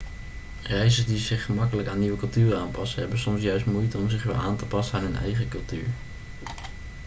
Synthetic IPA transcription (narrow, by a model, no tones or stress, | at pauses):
rɛjzədizɪχːəmɑkələkaːnːiʋəkɵlˠtyːraːnpɑsəɦɛbənsɔmsjœɥstmujtənɔmzɪχʋɛlˠaːntəpɑsənaːnɦɵnɛ̰jχəkɵlˠty̰ːɹ